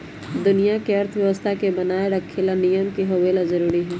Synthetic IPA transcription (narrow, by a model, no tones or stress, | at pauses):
d̪ʊnijakeɐɾt̪ʰəʋjɐʋəst̪ʰakebɐnaːeɾɐkʰːelanijəmkiɦoːʋeːlazɐɾuːɾiɦɛː